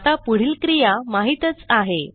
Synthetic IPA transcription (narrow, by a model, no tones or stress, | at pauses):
t̪apuɽ̤iːlkɾijamaɦit̪ət͡saɦe